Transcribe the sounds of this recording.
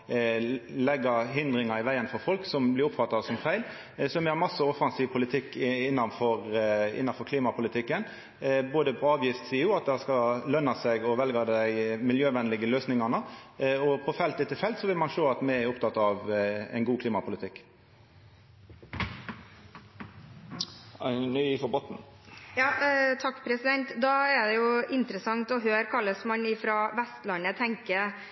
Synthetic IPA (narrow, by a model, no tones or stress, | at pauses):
lɛɡːəɦɪnd̪ɾɪŋɑɪʋæɪənfɔɾfɔlksɔmblɪɾʊpfɑt̪ːɑsɔmfæɪl | sɔmɛhɑɾmɑsːəɔfɑnsiːʋpʰʊlɪt̪ʰɪkːɪnːɑnfɔɾɪ̰nːɑfɔɾkʰliːmɑpʰʊlɪt̪ʰɪkːən | boːd̪əpʰɔɑːʋjiːst̪siːʊːɑt̪̚d̪ɛhskɑlœnːɑsɛɡɔʋɛlɡɑd̪æɪmɪljøːʋɛnlɪɡəløːsnɪŋɑnəɔpʰɔfɛlt̪ɪt̪ʰːɪlfɛlt̪sɔʋɪlmɑnʃoːɑt̪mɛæɾʊpt̪ʰɑt̪ːɑʋɛ̰ɪnɡuːkʰliːmɑpʰʊlɪt̪ʰɪkː | nyifɔbɔt̪n̩ | jɑːt̪ʰɑkːpʰɾɛsɪd̪ɛnt̪d̪ɑæd̪ɛjʊɪnt̪ɾəsɑŋt̪ɔɦøːɾkʰɑlːəsmɑnɪfɾɑʋɛst̪lɑnət̪ʰɛŋkə